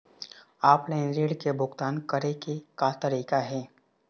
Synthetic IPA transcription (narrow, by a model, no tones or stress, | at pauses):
aːplɛ̃ːnɾeːɖkebʱʊɡt̪aːnkəɾekekat̪əɾiːkaɦɛː